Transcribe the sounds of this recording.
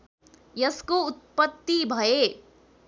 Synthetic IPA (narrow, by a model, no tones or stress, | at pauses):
jɐskoʊt̪̚pət̪ːibʱʌe